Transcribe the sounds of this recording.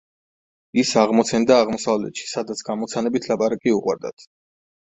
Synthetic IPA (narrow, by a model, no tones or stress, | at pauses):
isaʁmɔt̪sʰɛnd̪aːʁmɔsavlɛ̰t̪ʃi̥sad̪at̪sʰɡ̥amɔt̪sʰanɛbit̪ʰlapʼaɾakʼiuqʼwa̰ɾd̪a̰t̪ʰ